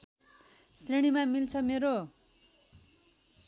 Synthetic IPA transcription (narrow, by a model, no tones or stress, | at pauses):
sriɽ̃imamilt͡sʰʌmeɾo